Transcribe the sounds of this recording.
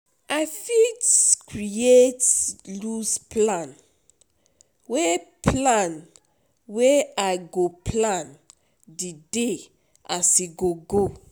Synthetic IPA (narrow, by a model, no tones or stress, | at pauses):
afitkɹietlusplãn | wepʰlãn | weaɪɡopʰlãn | dide | asiɡoɡo